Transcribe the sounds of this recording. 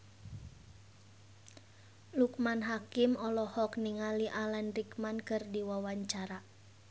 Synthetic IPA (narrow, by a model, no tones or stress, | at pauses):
lukmanɦakimɔlɔhɔk̚niŋaliʔalanrikmankɨrdiwawaɲt͡ʃaɾa